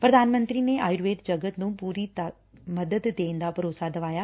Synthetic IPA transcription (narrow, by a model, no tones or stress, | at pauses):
pɾɐd̪ʱaːnmə̃nt̪ɾineʔaːjɾʋeːʈ̪d͡ʒɐɡət̪nũːpuːɾit̪ | mɐd̪əd̪ːẽːnd̪apɐɾoːsad̪ɐʋaːjaː